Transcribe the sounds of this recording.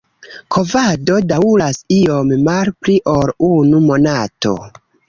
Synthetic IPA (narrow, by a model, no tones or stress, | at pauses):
kʰo̞vado̞daulasio̞mːalpliʔoɾunumo̞nato̞̰